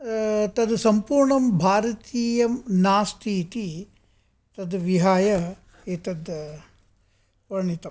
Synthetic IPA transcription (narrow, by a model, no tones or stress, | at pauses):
t̪ɐd̪sɐmpuːɾɳɐmbʱaːɾɐt̪iːjɐmnaːst̪ʰiːt̪i | t̪ɐd̪ʋiɦaːjɐ | eːt̪ɐd̪ | ɐɾɳit̪ɐ